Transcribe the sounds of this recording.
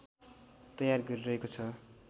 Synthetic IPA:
t̪ʌjarɡʌɾiɾʌɦekot͡sʰʌ

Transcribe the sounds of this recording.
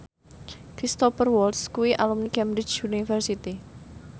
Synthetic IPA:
kɾist̪ɔpərwɔlskuwiʔalumnikɛmbɾɪt͡ʃunifɛrsit̪i

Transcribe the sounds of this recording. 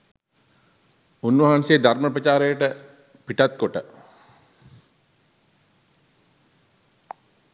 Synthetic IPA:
unʋɐɦanseːd̪arməpɾət͡ʃaːɾəjəʈə | piʈat̪̚koʈə

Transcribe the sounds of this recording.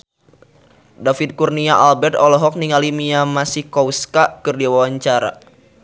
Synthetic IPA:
dafit̪̚kurniaʔalbɛrt̪ɔlɔɦɔk̚niŋalimiamasɪhkɔwskakɨrdiwawaɲt͡ʃaɾa̰

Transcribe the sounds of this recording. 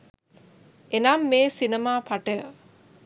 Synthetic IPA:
enaːmːeːsinemaːpʰaʈə

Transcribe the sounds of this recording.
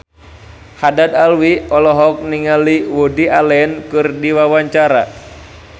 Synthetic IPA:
hadad̪alwiɔlɔɦɔk̚niŋaliwodialɛnkɨrdiwawaɲt͡ʃaɾa̰

